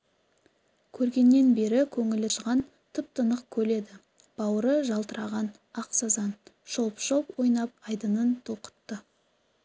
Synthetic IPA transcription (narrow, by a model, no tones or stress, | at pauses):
kʲʰɵɾɡʲe̞nːe̞nbe̞ɾɪkʲʰɵŋɪlɪʒʁɑn | t̪ʰɪp̚t̪ənəq̚kʲʰɵle̞d̪ɪ | b̥ɑwəɾəʒɑlˠt̪əɾɑʁɑn | ɑqsɑzɑnʃolˠpʃopwo̞jnɑp̚ɑjd̪ənənt̪ʰoqə̥t̪ːə